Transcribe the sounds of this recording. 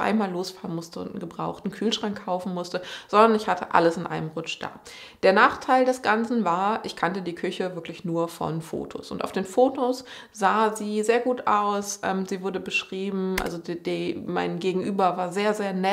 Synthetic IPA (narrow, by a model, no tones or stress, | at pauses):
ʔa̰ɪnmaːlːoːsfaːʁənmʊstəʊ̰ntn̩ɡəbʁaʊxtn̩kʰyːlʃʁ̥aŋkʰːaʊfn̩mʊstəz̥ɔndɐnɪçhatʰəʔa̰ləsɪnʔa̰ɪnəmʁʊt͡ʃd̥a̰ː | d̥eːɐnaːχtʰaɪldɛsɡ̥ant͡sn̩vaːɐʔɪçkʰantədiːkʰʏçəvɪɐklɪçnuːɐfɔ̰nfo̰ːtʰo̰sʔʊ̰ntʔa̰ʊfd̥eːnfoːtʰos | z̥aːziːzeːɐɡuːtaʊsʔɛ̰ːmziːvʊɐdəbəʃʁ̥iːbm̩ʔa̰lzodimaɪnɡeːɡŋ̩ʔyːbɐvaːɐzeːɐzeːɐnɛ